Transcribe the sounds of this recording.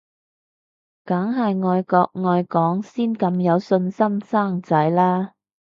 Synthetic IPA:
kaː˨˥ŋɦɐ˨jŋɔː˧jkɔː˧k̚ŋɔː˨˧jkɔː˨˥ŋsiː˥nkɐ˧mjɐ˨˧wsɵ˧nsɐ˥msaː˥˩ŋt͡sɐ˨˥jlaː˥

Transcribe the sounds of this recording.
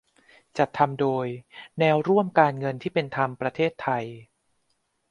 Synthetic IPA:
t͡ɕa˨˩t̪ʰːa˧mdoː˧jnɛː˧˥wɾu˥˩əmkaː˧nŋɤ˧nt̪ʰiː˥˩pe˧nt̪ʰa˧mpɾa˧t̪ʰeː˥˩t̪ʰːa˧j

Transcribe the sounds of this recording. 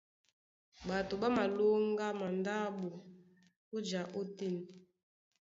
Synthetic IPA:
ba˨to˨ɓa˦ma˨lo˦ŋɡa˦ma˨nda˦ɓu˨ | o˦d͡ʒa˨ʔo˦ti˦ni˨

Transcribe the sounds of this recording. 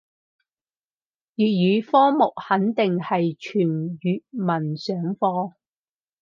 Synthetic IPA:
jyː˨t̚ɥyː˨˧fɔː˥mʊ˨k̚hɐ˨˥nt̪ɪ˨ŋhɐ˨jt͡ʃʰyː˨˩njyː˨t̚mɐ˨˩nsœː˨˥ŋfɔː˧

